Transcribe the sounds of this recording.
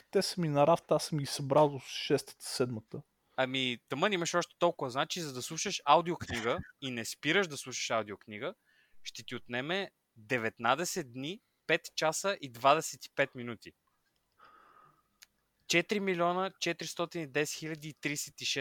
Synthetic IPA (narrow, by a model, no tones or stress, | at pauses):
t̪ɛsəminɐɾaft̪asəmɡʲisɐbɾalˠd̪osʃɛst̪ə̥t̪ə̥sɛd̪mət̪ə | ɐmit̪əmənimɐʃɔʃt̪ɛ̥t̪ɔlˠkʊvəznat͡ʃizɐd̪ɐslˠuʃəʃawd̪iʊkniɡəinɛspiɾəʒd̪ɐslˠuʃə̥ʃawd̪iokniɡə | ʃt̪ɛt̪iot̪nɛmɛ | d̪ɛvɛt̪nad̪ɛsɛt̪̚d̪ni | pɛt̪t͡ʃasəʔid̪vad̪ɛsɛt̪i̥pɛt̪minut̪i | t͡ʃɛt̪ɾimilʲɔnət͡ʃɛt̪ɾist̪ɔt̪inid̪ɛsɛ̥xilʲɐd̪iːt̪ɾisɛt̪iʃɛ